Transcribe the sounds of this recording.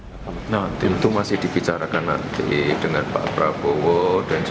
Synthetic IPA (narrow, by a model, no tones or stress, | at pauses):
nat̪int̪umasɪhd̥i̤b̥it͡ʃaɾakana̰ʔt̪ʔid̥əŋanpa̰ʔpɾab̥owɔd̥and͡ʒ